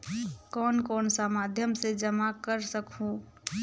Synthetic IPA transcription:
kɔːnkɔːnsamad̪ʱjəmsed͡ʒəmakəɾsəkɦũ

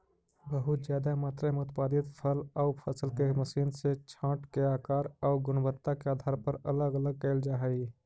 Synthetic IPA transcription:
bəɦʊt̪d͡ʒjaːd̪amaːt̪ɾeməʊt̪paːd̪ɪt̪pʰəlɔʊpʰəsəlkeməsiːnset͡ʃʰãːʈkeaːkaːɾɔːʊɡʊnbəɾt̪ːakeaːd̪ʱaːɾpəɾələɡələɡ̚kɛɪld͡ʒaːɦɛi

